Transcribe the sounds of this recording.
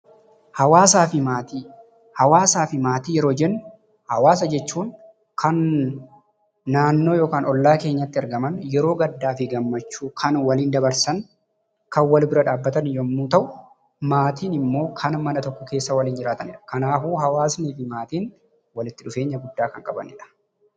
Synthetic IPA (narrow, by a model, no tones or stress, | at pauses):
hɐwaːsaːfɪmaːt̪iː | hɐwaːsaːfɪmaːt̪iːjɛɾo̞ːd͡ʒɛnːʊ | hɐwaːs̬ɐd͡ʒɛt͡ʃːuːn | kʰɐn | aːnːo̞ːjo̞ːkaːnɔlːaːke̞ːɲːɐt̪ːɪɐɾɡɐmɐnjɛɾo̞ːɡɐd̪ːaːfɪɡɐmːɐt͡ʃːuːkʰɐnwɐliːnd̪ɐbɐɾsɐŋ | kɐnwɐlbɪɾɐᶑaːbːɐt̪ɐnjɔmːuːt̪ɐʔʊ | maːt̪iːnɪmːo̞ːkʰɐnmɐnɐt̪ɔkːɔke̞ːsːɐwɐliːnd͡ʒɪɾaːt̪ɐnɪᶑɐ̥kɐnaːfuːɦɐwaːsniːfɪmaːt̪iːn | wɐlɪt̪ːɪᶑʊfe̞ːɲːɐɡʊd̪ːaːkɐŋkʼɐbɐ̰nɪᶑɐ̥